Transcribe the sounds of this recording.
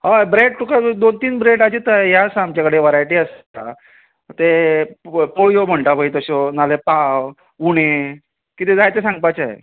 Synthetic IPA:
ɦabɾeɖ̚ʈukad̪ont̪iːnbɾeɖat͡ɕit̪aejasaamt͡ɕakəɽeʋəɾajʈiəsta | t̪e | poɭjom̤əɳʈabəit̪əɕɔnalepaw | uɽ̃e | kit̪ed͡zajt̪esãŋɡ̚pajt͡ɕaḛ

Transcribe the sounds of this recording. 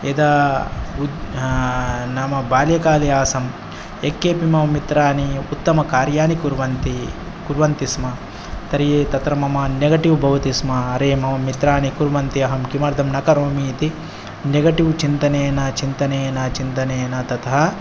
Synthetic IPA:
ed̪aːu | naːmɐbaːljɐkaːlijaːsɐm | ekːeːpimɐʋɐmit̪ɾaːniut̪ːɐmɐkaːɾjaːnikuɾʋɐnt̪i | kuɾʋɐnt̪ismɐ | t̪ɐɾijet̪ɐt̪ɾɐmɐmɐneɡɐʈiʋbʱɐʋɐt̪ismɐɐɾeːmɐʋɐmit̪ɾaːnikuɾʋɐnt̪iɐɦɐmkimɐɾd̪ʱɐmnɐkɐɾoːmiːt̪i | neɡɐʈiʋt͡ʃint̪ɐneːjɐnɐt͡ʃint̪ɐneːɐnɐt͡ʃint̪ɐneːjnɐt̪ɐt̪ʰɐɦɐ

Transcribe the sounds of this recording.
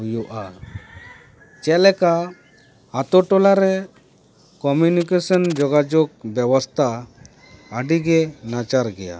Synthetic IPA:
ujuʔa | t͡ʃɛlɛka | hat̪ɔʈɔlaɾɛ | kɔmjunikesənd͡ʒɔɡad͡ʒɔk̚bjɛwɔst̪ʰaː | ɖiɡenat͡ʃaɾɡɛja̰

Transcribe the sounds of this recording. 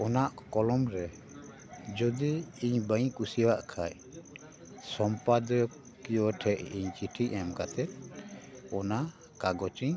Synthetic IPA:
ɔnaʔkɔlɔmɾɛ | d͡ʒɔd̪iiɲbəɲkusiwaʔkʰaj | sɔmpad̪ɔ | kijɔʈʰɛʔiɲt͡ʃiʈʰiʔɛmkat̪ʰɛt̪̚ | ɔna | kaɡɔt͡ʃiɲ

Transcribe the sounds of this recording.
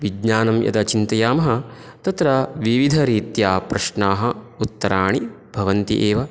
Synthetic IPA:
ʋiɡɲaːnɐmjɐ̰t̪ɐt͡ʃint̪ɐjaːmɐɦɐ̆t̪ɐt̪ɾɐʋiʋid̪ʱɐɾiːt̪jaːpɾɐʃnaːɦɐ̆ut̪ːɐɾaːɳi | bʱɐʋɐnt̪ḭʔeːʋɐ

